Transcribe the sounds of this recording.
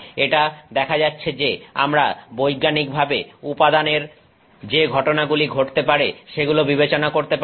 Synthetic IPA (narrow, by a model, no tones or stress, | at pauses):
eʈad̪ɛkʰad͡ʑatːɕʰed͡ʑea̰mɾabojɡanik̚bʱabeupad̪aneɾ | d͡ʑeɡʱɔʈonaɡuliɡʱoʈt̪epaɾeʃeɡulobibet͡ɕonakoɾt̪ep